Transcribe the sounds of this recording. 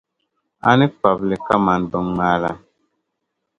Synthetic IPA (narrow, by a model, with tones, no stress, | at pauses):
a̰˦ni˦k͡pa˨blɛ˨ka˦ma˨n˨dɔ˨mːa˦la̰˦